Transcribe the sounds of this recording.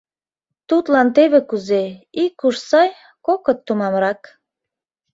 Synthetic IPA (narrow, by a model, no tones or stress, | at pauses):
t̪ut̪lɑnt̪eβekuzeikːuʃsɑj | kokə̆t̪ːumɑmɾɑk